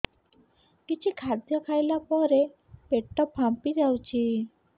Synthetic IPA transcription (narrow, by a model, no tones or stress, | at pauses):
kit͡ʃʰikʰad̪jɔkʰajlapɔɾe | peʈːɔpʰːampid͡ʒawt͡ʃʰi